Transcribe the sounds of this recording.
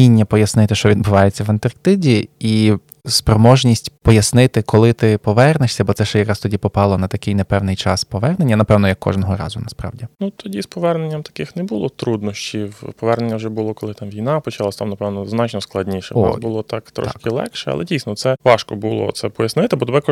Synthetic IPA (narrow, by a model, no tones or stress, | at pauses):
inʲːɐpɔjɐsnɪt̪ɪʃt͡ʃɔʋʲid̪̚bʊʋɑjet͡sʲːɐʋɐnt̪ɐrkt̪ɪdʲii | spɾɔmɔʒnʲisʲtʲpɔjɐsnɪt̪ɪkɔlˠɪt̪ɪpɔʋɛrnɪʃsʲɐbɔt̪sɛʃt͡ʃɛjɐkɾɑst̪ɔdʲipɔpɑlˠɔnɐt̪ɐkɪjnɛpɛwnɪjt͡ʃɑspɔʋɛrnenʲːɐnɐpɛwnɔjɐkːɔ̰ʒnɔɦɔɾɑ̰zʊnɐspɾɑ̰ʋdʲinut̪ʰɔdʲispɔʋɛrnenʲːɐmt̪ɐ̥kɪxnɛbulˠɔt̪ɾud̪nɔʃʲt͡ʃʲiwpɔʋɛrnenʲːɐwʐɛbʊlˠɔkɔlˠɪt̪ɑmʋʲijnɑpɔt͡ʃɑlˠasʲt̪ɑmnɐpɛʋnɔznɑt͡ʃnɔsklˠɐdʲnʲiʃɛ̰ɔbʊlˠɔt̪ɑkt̪ɾɔ̰ʃkɪlˠɛ̰kʃɛɐ̰lˠɛdʲijsnɔt̪sɛʋɑʃkɔbulˠɔ̰t̪sɛpɔjɐsnɪt̪ɪbɔd̪bɛkɔ